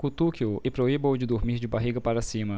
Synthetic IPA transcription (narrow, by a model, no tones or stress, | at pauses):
kut̪ukiʊɪpɾoibõwd͡ʒɪd̪oɾmiɾd͡ʒɪbaɦiɡɐpaɾɐsĩmɐ